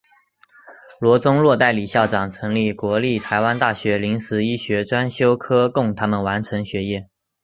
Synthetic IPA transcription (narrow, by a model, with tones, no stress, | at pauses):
lwɔ˧˥t͡sʊ˥ŋlwɔ˥˧t̪a˥˩ɪli˨˩ɕjɑ˥˩ʊʈ͡ʂɑ˨˩ŋt͡sʰɤ˧˥ŋli˥˩kwɔ˧˥li˥˩t̪ʰa˧˥ɪwa˥nt̪a˥˩ɕɥɛ˧˥li˧˥ŋsɹ̩˧˥i˥ɕɥɛ˧˥ʈ͡ʂwa˥nɕjo˥ʊkʰɤ˥kʊ˥˩ŋt̪ʰa˥mə˨nwa˧˥nʈ͡ʂʰɤ˧˥ŋɕɥɛ˧˥jɛ˥˩